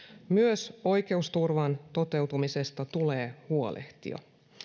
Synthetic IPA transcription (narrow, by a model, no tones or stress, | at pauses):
myøso̞jk̟e̞ust̪urʋɑnt̪o̞t̪e̞wt̪umise̞st̪ɑt̪uleːhuolʔḛht̪ḭo̰